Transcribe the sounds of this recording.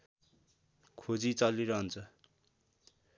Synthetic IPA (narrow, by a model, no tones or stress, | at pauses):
kʰod͡zit͡sʌliɾʌɦʌnt͡sʰʌ